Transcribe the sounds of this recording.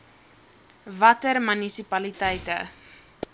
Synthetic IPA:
vɐtərmynisipɐlitɛjtə̰

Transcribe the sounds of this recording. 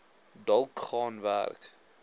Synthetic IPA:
dɐlˠkχɑːnvæ̰rk

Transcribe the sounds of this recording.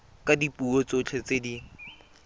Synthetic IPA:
kʼadipuot͡sot͡ɬʰet͡sedi

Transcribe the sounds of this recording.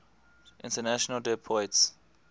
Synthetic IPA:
ʔḭ̃ntʰɛnaʃɔnaldɛpʰɔjts

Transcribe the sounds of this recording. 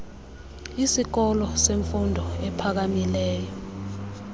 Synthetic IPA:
isik̬ɔlɔseɱfundʱɔɛpʰak̬amilɛːjɔ

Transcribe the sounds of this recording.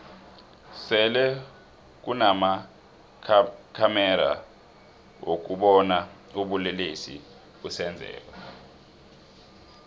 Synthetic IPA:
sɛlɛ | k̬unama | kʰamɛɾa̰ | ok̬uɓɔna | uɓulelesḭ | kusɛnd͡zʱɛ̰ːk̬wa

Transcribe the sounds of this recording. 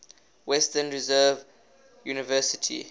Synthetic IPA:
wɛstənɹizɜːv | juːnɪvɜːˑsɪtʰḭ

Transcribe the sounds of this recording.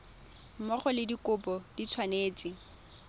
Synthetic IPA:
mɔχɔlɪdikʊpɔd̥it͡sʰwaneːt͡sɪ

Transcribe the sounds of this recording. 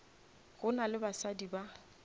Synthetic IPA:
ɣʊnalɪbasadiba

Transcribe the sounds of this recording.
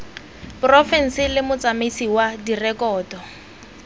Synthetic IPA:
pʊrɔfɛn̩sɪlɪmʊt͡samesiwadirɛkɔːdɔ

